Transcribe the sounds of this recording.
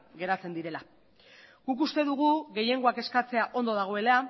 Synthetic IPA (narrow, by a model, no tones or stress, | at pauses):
ɡe̞ɾat͡se̞nd̪iɾe̞la | ɡ̥ukust̪e̞ðuɣ̞uɣe̞je̞ŋɡo̞ake̞skat͡se̞aʔo̞nd̪oðaɣ̞o̞e̞la